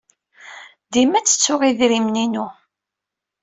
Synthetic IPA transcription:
ðimæt͡sːə̥t͡sːʊʁiðɾimninu

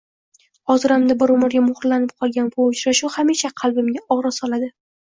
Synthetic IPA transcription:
hɒzɨɾamd̪abɪɾʊmɪɾɡʲamʊχɾlanɪp̚qʰɒlˠɡʲanbʊʊt͡ʃɾaʃʊhamiʃaqʰɑlˠbɪmɡʲaɒʁɾɒsɒlad̪ɪ

